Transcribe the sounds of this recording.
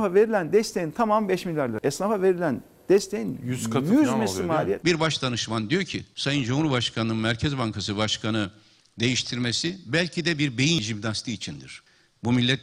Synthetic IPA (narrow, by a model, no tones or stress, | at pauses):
fave̞ɾilʲænd̪ɛst̪ʰejint̪ʰamambɛʃmilʲːæɾlˠaɛsnafave̞ɾilʲæn | d̪̥ɛst̪ʰejinjyzkjyzmesimaːlʲijɛt̪biɾbaʃt̪ʰanɯʃmand̪ijoɾcʰisajɯnd͡ʒumhuɾubaʃkʰanɯnɯnmæɾcʰɛzbaŋkʰasɯbaʃkʰanɯ | d̪e̞jiʃt̪ʰiɾmesibælʲcʰid̪ɛbiɾbe̞jind͡ʒibnast̪ʰɯːit͡ʃʰind̪ḭɾ̥ | bumilʲːɛt̪